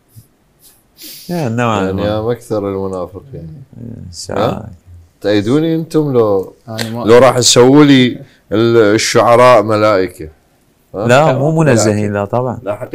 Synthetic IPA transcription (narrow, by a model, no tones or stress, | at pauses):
janːawaaʕniʔamʔakθɑɾˤəlmʊnaːfəqjaʕnḭsa̰ʕa | t̪ʔajːd̪uːniʔənt̪ʊmla | laɾˤɑːħsawːili | ʃːʊʕɑɾˤɑːʔmalaːʔəka | alamuːmʊnazːahiːnlat̪ˤɑbʕɑn